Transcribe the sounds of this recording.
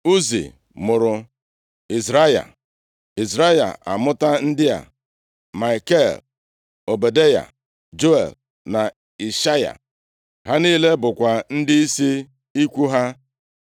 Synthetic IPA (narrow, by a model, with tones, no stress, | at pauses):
u˦zḭ˨ | mʊ˨ɾʊ˨ | i˨zɾa˦ja̰˨ | i˨zɾa˦ja̰˨a̰˨mʊ˦ta˦n̩˦dɪ˦a̰˨ | ma˨ke˦l | o˨be˨de˦ja̰˨ | d͡ʒo˦ḛ˨l | na˨ | i˨ʃa˦ja̰˨ | ha˦niː˦le˦bʊ˨kʷa˨n̩˦dɪ˦i˦si˦ | i˦kʷu˦ɦa˦